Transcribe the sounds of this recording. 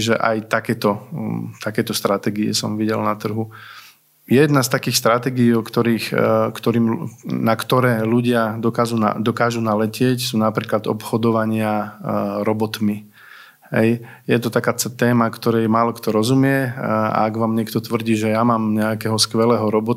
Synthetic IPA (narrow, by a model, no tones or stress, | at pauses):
ʒɛʔa̰jt̪akɛːt̪ɔt̪akɛːt̪ɔst̪ɾat̪ɛːɡiɛ̰sɔ̰mʋiɟɛlnat̪r̩ɦu | jɛɛjɛd̪nast̪akiːxst̪ɾat̪ɛːɡiiːɔkt̪ɔɾiːxkt̪ɔɾiːmnakt̪ɔɾɛːluɟɪad̪ɔkaːʒuːna̰d̪ɔkaːʒunalɛcɪɛcsuːnapɾiːklad̪ɔ̰pxɔd̪ɔʋaɲɪa | ɾɔbɔt̪mi | ɦɛ̰j | jɛt̪ɔt̪akaːɛt̪ɛːmakt̪ɔɾɛjmaːlɔkt̪ɔɾɔzumɪɛa̰aɡʋaːmɲɪɛkt̪ɔt̪ʋr̩ɟiːʒɛjamaːmɲɛakɛɦɔskʋɛlɛːɦɔɾɔbɔ